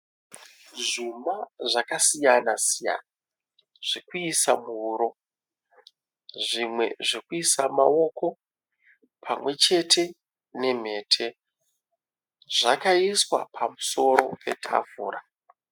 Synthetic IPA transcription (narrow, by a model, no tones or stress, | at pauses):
ʐumbaʐakasijanasija̰na | ʐ̥ikuisamuuɾo̞ | ʐimwe̞̰ʐikuisamao̞ko̞ | pʰamwe̞t͡ʃe̞tʰe̞ | ne̞m̤e̞ːtʰe̞ | ʐakaiswa̰pʰamuso̞ɾo̞pe̞tʰa̰vṵːra